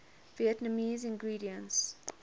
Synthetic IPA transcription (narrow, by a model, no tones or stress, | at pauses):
viɛtnəmiːzɪ̃nɡɹiːɾiə̃ns